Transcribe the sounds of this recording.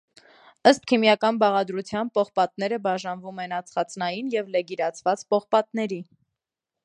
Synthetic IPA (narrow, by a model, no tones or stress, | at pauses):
əst̪kʰimjɑkɑnbɑʁɑd̪ɾut͡sʰjɑnpɔχpɑt̪nɛɾəbɑʒɑnvumɛnɑt͡sʰχɑt͡snɑjinjɛvlɛɡiɾɑt͡sʰvɑt͡spɔχpɑt̪nɛɾi